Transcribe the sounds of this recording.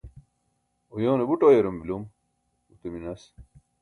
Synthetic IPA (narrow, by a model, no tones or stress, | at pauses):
ojoːnebuʈojeɾumbilom | ut̪eminɐs